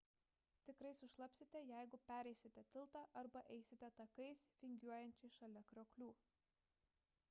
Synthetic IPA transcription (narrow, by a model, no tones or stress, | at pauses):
t̪ʲɪkɾɐɪsʊʃlˠɐpʲsʲɪt̪ʲɛjæɪɡʊpʲæːɾʲɛɪsʲɪt̪ʲɛt̪ʲɪlˠt̪ɑːʔɐɾbɐʔɛɪsʲɪt̪ʲɛt̪ɐkɐɪsfʲɪŋʲɡʲuɔjɛnʲt͡ʃʲɪʃɐlʲɛkɾʲoːklʲuː